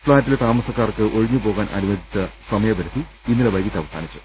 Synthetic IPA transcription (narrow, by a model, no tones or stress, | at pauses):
fɭaːtːilet̪aːmɐsɐkːaːrkɨʔo̞ɻiɲːɨpo̞ːɣaːnʔɐ̰nuʋɐd̪ʱit͡ɕːɐsɐmɐjɐbɐɾɐtːi | inːileʋɐjkit̪ːɐʋɐsʰaːnit͡ɕːu̥